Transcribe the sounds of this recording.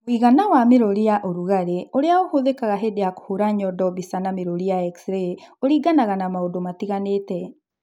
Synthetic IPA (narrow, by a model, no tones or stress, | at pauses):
wiɣanawameɾoɾijaʔoɾuɣaɾeoɾeaohoðekaɣaɦedeako̥hoɾaɲɔdɔbisanameɾoɾijaɛksɾeoɾiːɡanaɣanamaodomatiɣaneːtɛ